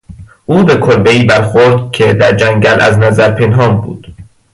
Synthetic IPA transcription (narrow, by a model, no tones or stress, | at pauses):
ʔuːbe̞kʰoɾbe̞iːbæɾxoɾd̪cʰe̞d̪æɾd͡ʒæŋɟælʔæ̰znæzæɾpʰe̞nɦɒːmbṵːd̪̥